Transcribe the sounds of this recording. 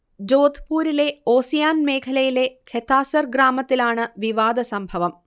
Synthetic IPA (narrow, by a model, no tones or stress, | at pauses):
d͡ʑoːd̪ʱpuːɾile̞o̞ːsijaːnme̞ːkʰɐlɐjile̞kʰet̪ːaːsɐrɡraːmɐt̪ːilaːɳɨʋiʋaːd̪ɐsɐmbʱɐʋɐm